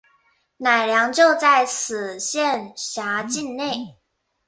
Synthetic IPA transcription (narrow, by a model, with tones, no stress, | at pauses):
na˨˩ɪljɑ˧˥ŋt͡ɕjo˥˧ʊt͡sa˥˩ɪsɹ̩˨˩ɕjɛ˥˨nɕja˧˥t͡ɕi˥˧nne˥˩ɪ